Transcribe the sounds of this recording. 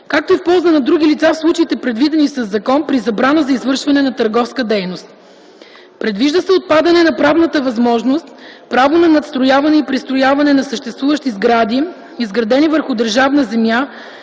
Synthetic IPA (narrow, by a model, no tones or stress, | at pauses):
kak̚t̪oifpɔlˠzənɐd̪ɾuɡ̟ʲilit̪safslˠut͡ʃɐit̪ɛpɾɛd̪vid̪ɛnisɐzːɐkɔnpɾizɐbɾanəzɐizvɤɾʃvɐnɛnɐt̪əɾɡɔfskəd̪ɛjnost̪̚ | pɾɛd̪viʒd̪əsɛot̪̚pad̪ɐnɛnɐpɾavnət̪əvɐzmɔʒnost̪pɾavonɐnɐt̪st̪ɾojavɐnɛipɾist̪ɾojavɐnɛnɐsəʃt̪ɛst̪vuvəʃt̪izɡɾad̪i | izɡɾɐd̪ɛnivəɾxʊd̪əɾʒavnəzɛmja